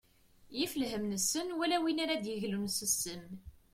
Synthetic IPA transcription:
jifəlɦəmnəsənwælæwinaɾæd̪jəʝlumsəsːəm

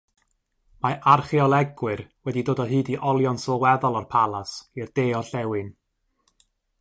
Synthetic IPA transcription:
maʔarχiɔlˠɛɡwɨrwɛdidoːdɔɦɨːdiʔɔlˠjɔnsɔwɛðɔlˠɔrpʰalˠasird̥eːɔɬɛwɨn

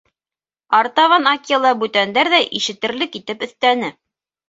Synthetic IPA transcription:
ɑɾt̪ɑvɑnɑklˠɑbʉt̪ænd̪æɾðæʔiʃɘ̆t̪ɘ̆ɾlɘkit̪ɘpɵ̆θt̪ænɘ

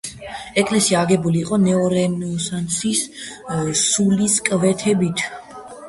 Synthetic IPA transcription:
ɛkʼlɛsiaːɡɛbuliːqʼɔnɛɔɾɛnɔsant̪sʰis | suliskʼvɛt̪ʰɛbit̪ʰ

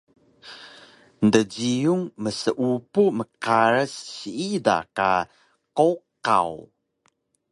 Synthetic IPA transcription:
ndəd͡ʑijuŋməsəʔupuməkaɾəsːiida̰ka̰ | koka̰w

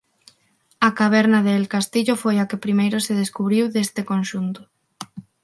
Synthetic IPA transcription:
akaβɛɾnaðelkast̪iʎofojakɪpɾimejɾʊseðeskuβɾiwðest̪ɪkonʃunt̪ʊ̥

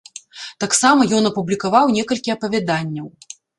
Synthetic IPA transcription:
t̪aksamɐjɔnɐpublʲikavawnʲɛkɐlʲkʲiɐpɐvʲad̪anʲːɐw

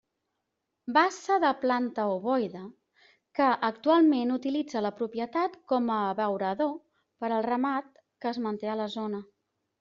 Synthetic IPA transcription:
basəðəplant̪əoβɔjðə | kəʔək̚t̪ualˠmenut̪ilid͡zələpɾupjət̪at̪kɔməβəwɾəðo | pəɾəlˠrəmat̪̚ | kəːzmənt̪eələzonə

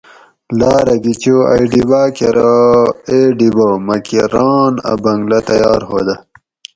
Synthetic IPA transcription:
laːɾɐɡit͡ɕoa̰iɖibaːkeɾɐeɖibomɐkiɾaːnɐ̰bɐŋɡlɐt̪ɐjɑːɾɦo̰ːd̪ɐ

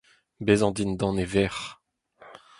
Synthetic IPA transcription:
bezɑ̃d̪ind̪ɑ̃nevɛʁ

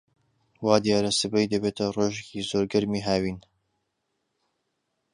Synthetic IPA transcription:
waːd̪ijaːɾɐsɨbɐjd̪ɐbeːt̪ʰɐroːʒecizoːɾɡɐɾmiːɦaːwiːn

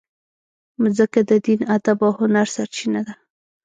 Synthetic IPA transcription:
zəkad̪əd̪inad̪abawhʊnaɾsaɾt͡ʃinad̪a

